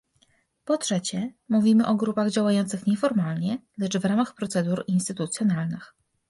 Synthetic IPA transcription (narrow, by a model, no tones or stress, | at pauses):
pɔtʂɛt͡ɕɛmuvʲimɘʔɔɡɾupaɣd͡ʑawajɔnt̪sɘxɲɛfɔɾmalɲɛlɛt͡ʂvɾamaxpɾɔt̪sɛd̪uɾinst̪ɘt̪ut̪sʲjɔnalnɘx